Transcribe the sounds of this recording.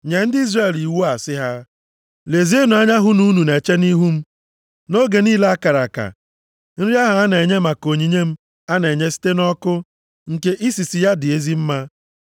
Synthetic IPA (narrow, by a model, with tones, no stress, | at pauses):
ɲe˨˦n̩˦dɪ˦i˦zra˦e˨li˨wu˦a˨sɪ˦ɦa˦ | le˨zi˦e˦no˨a˦ɲa˦ɦʊ˦nu˦nu˨ne˨t͡ʃe˦ni˦ɦu˦m̩˦ | no˦ɡe˨ni˦la˦a˦ka˨ɾa˨ka̰˨ | n̩˦ɾi˦a˦ɦʊ˨a˦ne˨ɲe˦ma˨ko˨ɲi˨ɲe˦m̩˦ | a˦ne˨ɲe˦si̥˦te˦nɔ˦kʊ˦ | ŋ̩˨ke˦ʔi˦si˨si˨ja˦dɪ˨e˦zi˦m̩˦ma˦